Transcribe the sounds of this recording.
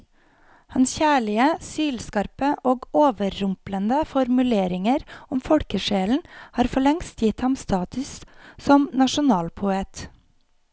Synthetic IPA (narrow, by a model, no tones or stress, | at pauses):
hɑnsçæːɭɪəsyːlskɑɾpəʔoːɡoːʋəːʊmplənd̪əfɔɾmʉleːɾɪŋəɾʊmfɔɽkəʃeːln̩hɑːɾfɔɭɛŋst̪jɪt̪hɑmst̪ɑːt̪ʉssɔmnɑʃʊnɑːlpʰʊeːt̪